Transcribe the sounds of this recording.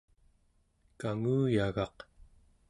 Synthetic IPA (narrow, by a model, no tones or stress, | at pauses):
kaŋuːjaɣɑq